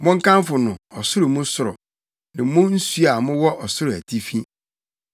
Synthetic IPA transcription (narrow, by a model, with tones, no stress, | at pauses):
mʊ̃˦ŋ̩˦kã˦m˦fʊ˨nʊ̃˨ɔ˨sʊ˦ɾʊ˨mũ˦sʊ˨ɾɔ˨ | nɪ̃˨mʊ̃˦n̩˦su˦a˨mʊ̃˦wɔ˦ʔɔ˨sʊ˦ɾʊ˨æ˨tʰi˦fĩ˦